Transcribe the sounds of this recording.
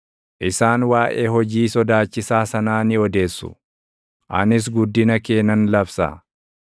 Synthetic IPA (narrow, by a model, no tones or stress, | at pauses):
ʔɪsaːnwaːʔeːɦɔd͡ʒiːsɔd̪aːt͡ʃːɪsaːsɐnaːnɪɔd̪e̞ːsːʊ̰ | ʔɐnɪs̬ɡʊd̪ːɪnɐke̞ːnɐnlɐfsɐ̰